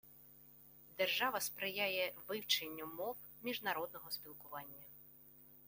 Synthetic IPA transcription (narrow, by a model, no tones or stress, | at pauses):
d̪erʒɑʋɐspɾɪjajɛʋɪwt͡ʃenʲːɐmɔw | mʲiʒnɐɾɔd̪̚nɔɦɔspʲilˠkʊʋɑnʲːɐ